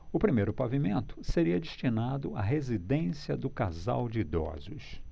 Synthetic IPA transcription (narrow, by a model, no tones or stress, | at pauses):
ʊpɾimejɾʊpavimẽnt̪ʊ̥seɾiɐd͡ʒeʃt͡ʃinad̪ʊaɦezid̪ẽsiɐd̪ʊkaza̰wd͡ʒɪd̪ɔ̰zʊs